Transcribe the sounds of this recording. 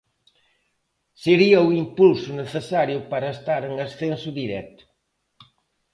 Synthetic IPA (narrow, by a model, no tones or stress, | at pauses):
seɾiɐuimpulsʊneθesaɾjʊpaɾɐest̪aɾeŋɐsθẽnsʊðiɾɛ̰t̪ʊ̥